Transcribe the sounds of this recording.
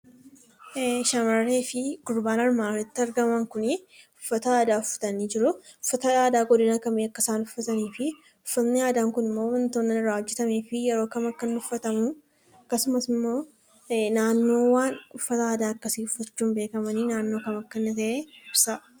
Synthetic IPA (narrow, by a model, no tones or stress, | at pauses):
ʃɐmɐrːeːfɪɡʊɾbaːnɐɾmaːɾɛt̪ːɪɐɾɡɐmɐŋkʊnɪʊfːɐt̪ɐaːd̪aːʊfːɐ̥t̪ɐniːd͡ʒɪɾʊʊfːɐt̪ɐaːd̪aːɡɔd̪ɪnɐkɐmeːɐkːɐsaːnʊfːɐt̪ɐniːfɪ | ʊfːɐt̪nɪjaːd̪aːŋkʊnɪmːo̞ːmɐnt̪oːnːɐɪɾaːɔd͡ʒːɛt̪ɐmeːfɪjɛɾoːkɐmɐkːɐnʊfːɐt̪ɐmʊ | kːɐsʊmɐsɪmːo̞ː | naːnːo̞ːwaːnʊfːɐt̪ɐaːd̪aːɐkːɐsiːʊfːɐt͡ʃːuːnbeːkɐmɐninaːnːo̞ːkɐmɐkːɐnːɪt̪ɐʔeɪbsɐ